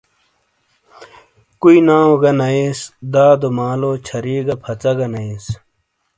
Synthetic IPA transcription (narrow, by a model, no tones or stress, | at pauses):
kuinaːoɡɐnɐesd̪aːd̪omaːloːt͡ɕʰɐɾiːɡɐpʰɐt͡sɐɡɐnɐis